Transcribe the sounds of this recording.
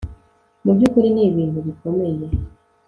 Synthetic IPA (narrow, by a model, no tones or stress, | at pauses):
muβjukuɾineːβiːntuβikomeje